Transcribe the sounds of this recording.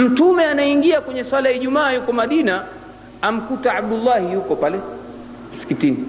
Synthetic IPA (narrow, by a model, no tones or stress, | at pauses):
m̩tumɛanaiŋɡiakwɛɲɛswalajiʄumaːjukɔmaɗina | am̩kutaaɓ̚dulːahijukɔpalɛ | muskitini